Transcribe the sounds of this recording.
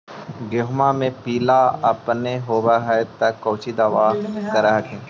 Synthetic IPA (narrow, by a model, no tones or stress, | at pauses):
ɡoɦmamẽpiːlaɐpneɦoːbaɦat̪ɐkːoːt͡ʃid̪aʋaːt̪ɐɾaɦəkʰẽː